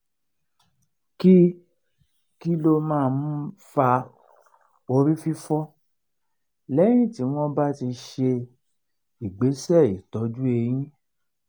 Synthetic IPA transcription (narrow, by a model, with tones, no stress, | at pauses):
ki˦ | ki˦lo˧mãː˦˧n̩˦fa˧ | o˧ɾi˦fi˦fɔ˦ | lɛ˦j̃ĩ˦˨ti˨˦w̃ɔ̃˦ba˦ti˧ʃe˧ | i˨ɡ͡be˨˦sɛ˦˨i˨tɔ˨˦d͡ʒu˦e˧j̃ĩ˦